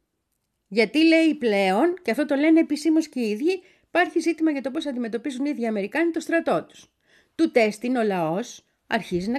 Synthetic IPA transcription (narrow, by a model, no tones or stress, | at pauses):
ʝɐt̪ile̞iple̞o̞nceɐft̪o̞t̪o̞le̞neːpisimo̞sceiðʝi | pɐɾçizit̪imɐʝɐt̪o̞p̬o̞sɐnd̪ime̞t̪o̞pizuniðʝiɐme̞ɾikɐnit̪o̞st̪ɾɐt̪o̞t̪u̥s | t̪ut̪e̞st̪ino̞lɐo̞s | ɐɾçizinɐ